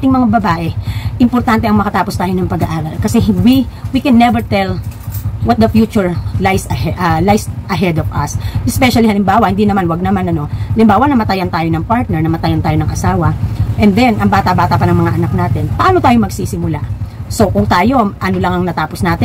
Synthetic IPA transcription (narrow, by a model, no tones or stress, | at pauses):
ʔaːt̪ɪŋmɐŋabɐbaːʔɛʔɪmpoɾt̪ant̪ɛʔɐŋmɐkɐt̪aːpo̞st̪aːjo̞nɐŋpɐɡaʔaːɾɐlkɐsɛwiwikɛnːɛvɛɹt̪ɛl | wɐt̪̚d̪ɐfjuːt͡ʃʊɹlajsɐʔɐlajsʔɐɦɛd̪ovɐ̰sʔɛspɛʃɐlihɐlɪmbaːwɐhɪnd̪inɐmanwɐɡ̚nɐmanɐno̞ɐlɪmbaːwɐnɐmɐt̪ajɐnt̪aːjonɐŋpaɹt̪̚nɛɹnɐmɐt̪ajɐnt̪aːjo̞nɐŋʔɐsaːwɐʔɛnd̪ɛnʔɐŋbaːt̪aʔbaːt̪ɐpɐnɐŋmɐŋaʔɐnak̚naːt̪ɛnpɐʔaːnot̪aːjomɐɡsiːsɪmʊla̰so̞kʊŋt̪aːjo̞ʔɐnolɐŋɐŋnɐt̪aːposnaːt̪ɪ